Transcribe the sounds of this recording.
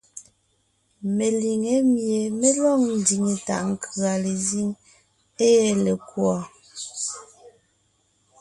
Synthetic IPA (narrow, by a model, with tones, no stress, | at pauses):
me˨li˨ŋe˨˦mje˨me˦lɔ˦˨ŋn̩˨di˨ŋe˨ta̰˨ʔŋ̩˨kʰɰa˨le˨zi˦ŋ | e˦jɛ˦˨le˨kwɔ˨